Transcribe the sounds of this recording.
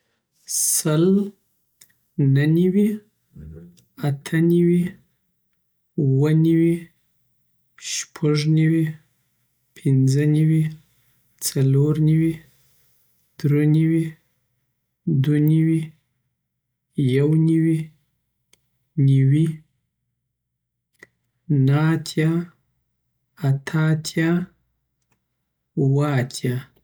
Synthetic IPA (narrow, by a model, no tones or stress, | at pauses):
səl | naniwi | at̪ʰəniwi | uwəniwi | ʃpʰaʐniwi | pʰɪnd͡zəniwi | t͡saloɾniwi | d̪̥ɾeniwi | d̪waniwi | jawniwi | niwi | naat̪ʰja | at̪ʰaːt̪ʰja | uwəat̪ʰja